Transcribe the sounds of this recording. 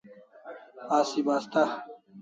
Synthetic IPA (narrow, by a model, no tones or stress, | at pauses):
aːsibaːst̪a